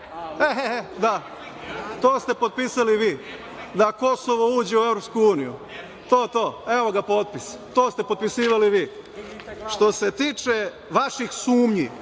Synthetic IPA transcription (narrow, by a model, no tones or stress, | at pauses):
eɦed̪a | t̪oːst̪e̞pot̪̚piːsaliʋiː | d̪akosoʋouːd͡ʑe̞ueʋɾopskuuːnijṵ | t̪o̞ːt̪o̞ːeʋo̞ɡapo̞t̪̚pist̪o̞ːst̪e̞pod̪̚pisiːʋaliʋiː | ʃt̪o̞se̞t̪iːt͡ʃe̞ | ʋaʃixsuːmɲi